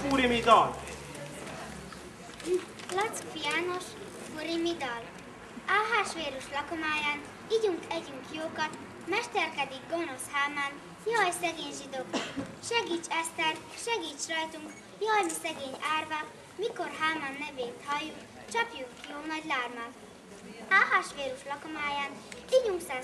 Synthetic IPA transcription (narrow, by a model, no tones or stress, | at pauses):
uɾimid̪ɒl | lɒt̪skfijaːno̞ʃ | fuɾimid̪ɒl | aɦaːʃʋeːɾuʃlɒkomaːjaːn | iɟuŋkɛɟyŋkjoːkɒt̪ | mɛʃt̪ɛrkɛd̪iɡ̚ɡo̞no̞shaːman | jɒjsɛɡeːɲʒid̪oːkʃɛɡiːt͡ʃɛst̪ɛl | ʃɛɡiːt͡ʃrɒjt̪uŋk | jɒjmisɛɡeːɲaːrva | miko̞rɦaːmanːɛveːt̪hɒjːuk | t͡ʃɒpjukjoːmɒɟlaːrmal | aːɦaʃʋeːɾuʃlɒkomaːjaːniɟuŋksɛ